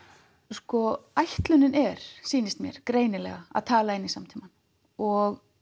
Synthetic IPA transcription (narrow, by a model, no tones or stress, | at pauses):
skɔajht̪lʏnːɪnɛɾ̥siːnɪst̪mjɛ̰ɾ̥kɾeːjnɪlɛ̰ɣaa̰ðt̪ʰaːlaɪnːisamt̪ʰiman | ɔɣ